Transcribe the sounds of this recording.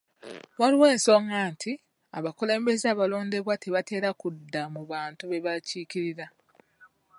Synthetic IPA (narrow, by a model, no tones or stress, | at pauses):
waɾiwe̞ːnso̞ŋɡantʰi | aβakule̞ːmbe̞zaːβalo̞ːnde̞βwate̞βate̞ːɾakudːamuβaːntuβe̞βaciːciɾiɾa